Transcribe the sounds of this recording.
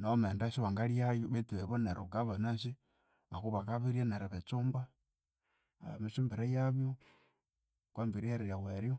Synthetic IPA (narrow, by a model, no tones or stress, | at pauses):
nomendasiβaŋɡalijajoβetiβeβoneɾʔoɡaβanasi | βakuβakaβiɾianeɾaβet͡sumba | amisumbiɾajaβjo | kwambiɾiaɾeɾjaweɾjo